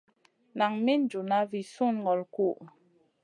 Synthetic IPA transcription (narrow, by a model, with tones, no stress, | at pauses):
na˨ŋmi˦n̩˦d͡ʒu˨na˦vi˨su˦˨n˨ɡɔ˨lku˦˨ʔ